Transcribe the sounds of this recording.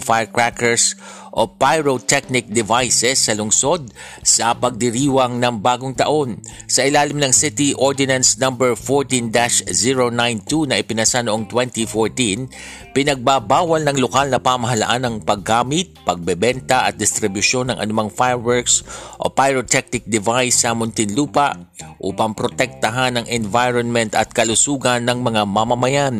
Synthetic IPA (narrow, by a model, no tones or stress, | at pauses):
ŋfajɹkɹakɛɹs | ʔopajɹot̪ɛk̚nɪk̚d̪ɪvajsɛsːɐlʊŋso̞d̪̚ | sɐpɐɡ̚d̪ɪɾiːwɐŋnɐŋbaːɡoŋt̪ɐʔo̞nsɐʔɪlaːlɪmnɐŋsɪt̪iʔoɹd̪ɪnɐnsnɐmbɛɹfoɹt̪ind̪aʃziɹonajnt̪unɐʔɪpɪnɐsanoʔo̞ŋt̪wɛnt̪ifoɹt̪ĩn | pɪnɐɡ̚babaːwɐlnɐŋlokalnɐpamɐɦɐlɐ̰ʔanːɐŋpɐɡaːmɪt̪̚pɐɡ̚bɛbɛnt̪ɐʔɐt̪̚d̪ɪst̪ɾɪbʊʃo̞nɐŋʔɐ̰nʊmaŋfajɹwɛɹksʔo̰pajɹot̪ʰɛk̚nɪk̚d̪ɪvajsːɐmʊnt̪ɪnluːpaʔʔuːpɐmpɾot̪ɛk̚t̪ɐɦanːɐŋʔɛnvajɹonmɛnt̪ɐt̪̚kɐlʊsuːɡɐnːɐŋmɐŋamɐmɐmɐjan